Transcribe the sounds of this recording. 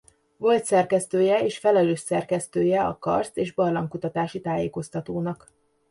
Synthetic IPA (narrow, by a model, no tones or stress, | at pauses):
ʋo̞lt̪sɛrkɛst̪øːjɛeːʃfɛlɛløːʃsɛrkɛst̪øːjɛɒ̰kɒ̰rseːʒbɒrlɒŋkut̪ɒt̪aːʃit̪aːjeːko̞st̪ɒt̪oːnɒk